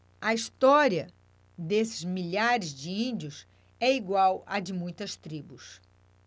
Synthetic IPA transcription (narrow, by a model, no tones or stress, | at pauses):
ɐist̪ɔɾiɐ | d̪esɪ̥zmiʎaɾɪzd͡ʒɪĩd͡ʒiʊs | ɛiɡwawɐd͡ʒɪmũj̃t̪ɐst̪ɾibʊs